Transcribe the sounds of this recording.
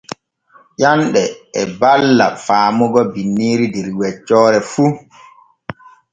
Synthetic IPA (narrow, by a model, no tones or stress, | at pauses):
ʔanɗɛɛbalːa̰faːmuɡɔbinːiːɾidɛɾwɛt͡ʃːɔːɾɛfu